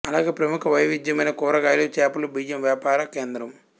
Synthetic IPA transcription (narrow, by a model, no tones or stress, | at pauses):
ɐlaːɡeːpɾɐmukʰɐʋɐjʋid̪jɐmɐjnɐkɔːɾɐɡaːjlot͡ʃaːpulubijːɐmʋjaːpaːɾɐkeːnd̪ɾɐm